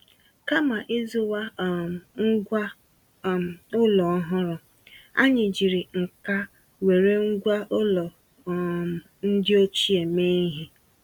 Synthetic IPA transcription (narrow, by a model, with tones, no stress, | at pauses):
ka˦ma˨ʔɪ˦zʊ˦wa˦ | ŋ̩˦ɡʷa˦ | ʊ˦lɔ˨ɔ˦ɦʊ˦ɾɔ˨ | a̰˦ɲɪ˨d͡ʒi˨ɾi˨ŋ̩˨ka˦ | we˨ɾe˦ŋ̩˦ɡʷa˦ʔʊ˦lɔ˨˦˨ | n̩˦dɪ˦o˦t͡ʃi˦e˨me˦i˦ɦi˨